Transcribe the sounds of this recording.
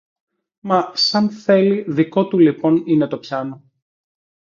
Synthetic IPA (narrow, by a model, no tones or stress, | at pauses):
mɐsɐnθe̞liðiko̞t̪ulipo̞nine̞t̪o̞pçɐno̞